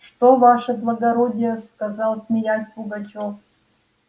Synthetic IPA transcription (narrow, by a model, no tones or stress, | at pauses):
ʂt̪ovɑʂəblˠɐɡɐɾodʲɪjəskazɑlˠsʲmʲɪjasʲbuɡat͡ɕof